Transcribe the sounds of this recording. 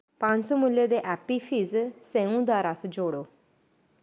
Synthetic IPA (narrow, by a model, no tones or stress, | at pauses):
pãnsumuljed̪eʔæpifiːd͡zsẽũd̪aɾasd͡ʑoɽo